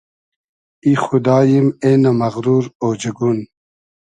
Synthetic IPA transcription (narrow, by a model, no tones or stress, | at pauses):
ixud̪ɑːjimenɐmɐɣɾuːɾoːd͡ʑeɡun